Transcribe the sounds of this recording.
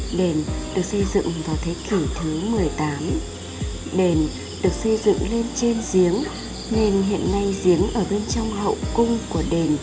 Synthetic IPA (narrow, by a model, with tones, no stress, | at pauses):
ɗe˨˩nɗɨ˨˩ək̚sə˧jzɨ̰˧˨ŋvaː˨˩wt̪ʰe˨˦ki˧˩t̪ʰɨ˨˦mɨ˨˩əjt̪aː˨˦m | ɗe˨˧˩n | ɗɨ˨˩ək̚sə˧jzɨ̰˧˨ŋle˧nt͡ɕe˧nzi˨˦əŋ | ne˧˩nɦḭ˧˨ənːa˧jzi˨˦əŋʔəː˧˩ɓe˧nt͡ɕɔ˧wŋ͡mɦə̰˧˨wkʊ˧ŋ͡mku˧˩əɗe˧˩n